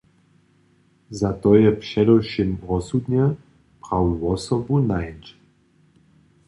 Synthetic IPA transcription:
zat̪ɔjɛpʃɛdɔwʃimʁɔsud̪njɛ | pʁawuɔsɔbunajnt͡ʃ

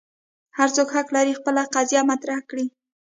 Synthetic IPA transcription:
haɾt͡sokhaqlaɾixpəlaqazjamat̪ɾahkɽi

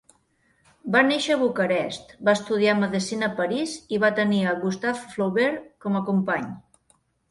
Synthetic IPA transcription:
baneʃəːβukəɾɛst̪baəst̪uð̞iaməðisinəpəɾiziβat̪əniəɣust̪afːlowβeɾkɔməkumpaɲ

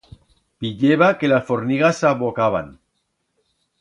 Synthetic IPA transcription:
piʎeβakelasfoɾniɣasaβokaβ̞a̰n

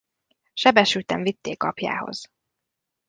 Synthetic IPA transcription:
ʃɛbɛʃylt̪ɛɱvit̪ːeːkɒpja̰ːho̞̰z̥

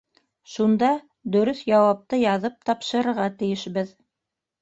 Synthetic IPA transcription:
ʃund̪ɑ | d̪ɵ̆ɾɵθjɑwɑp̚t̪ɤjɑðɤp̚t̪ɑpʃɤ̆ɾɤ̆ɾʁɑt̪ɘ̆jɘ̆ʃbɘð

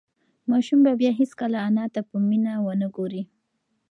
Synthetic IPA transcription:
mɑʃumbabjɑɦiskəlaːnɑt̪apəminawənəɡoɾi

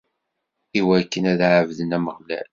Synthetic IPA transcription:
iwækːənæðʕəvðənæməʁlæ̰l

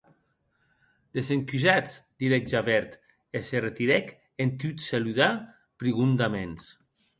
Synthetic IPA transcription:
d̪̥ezeŋkyzat͡sd̪̥iɾɛd͡ʒaβɛɾt̪ | eseret̪iɾɛk | ent̪yt̪saluða | pɾiɣund̪amens

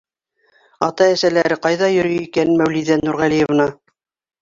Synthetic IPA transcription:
ɑt̪ɑæsælæɾɘqɑjðɑjɵ̆ɾɵjikænmæwliðænuɾʁælijevnɑ

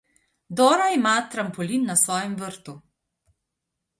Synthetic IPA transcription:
d̪ɔːɾaimaːt̪ɾampɔlinːasʋɔːjɛmʋəɾt̪u

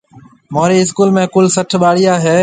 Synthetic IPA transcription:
moːɾiːɪskuːlmẽːkʊlsəʈʰɓaːɽijaːɦeː

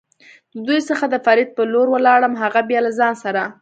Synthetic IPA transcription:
d̪əd̪ujsəxad̪əfɑɾɪd̪̚pəloɾwəlɑɽəmɦaɣabjɑlazɑnsaɾa

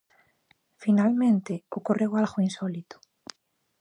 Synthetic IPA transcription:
finalmẽnt̪ɪokorewalɣʊinsɔlit̪ʊ̥

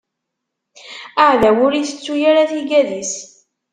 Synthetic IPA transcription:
aʕðæwʊɾiθə̥t͡sːujaɾaθiɡæðis

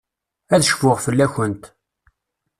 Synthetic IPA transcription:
æðəʃfʊʁfəlːæçənt̪

